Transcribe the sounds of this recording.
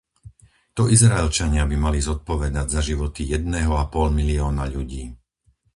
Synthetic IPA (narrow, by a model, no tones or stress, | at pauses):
t̪ɔʔizɾaɛlt͡ʃaɲɪabimalizɔt̪̚pɔʋɛd̪aɟzaʒiʋɔt̪ijɛd̪nɛɦɔapɔlmiliɔːnaʎuɟiː